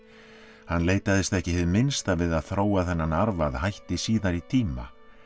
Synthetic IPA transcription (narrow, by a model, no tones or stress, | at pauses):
hanːleːjt̪aðɪst̪ɛhcɪɦɪðmɪnst̪avɪðaðθɾoːwaθɛnːanaɾvaðhajht̪ɪsiːðaɾit̪ʰiːma̰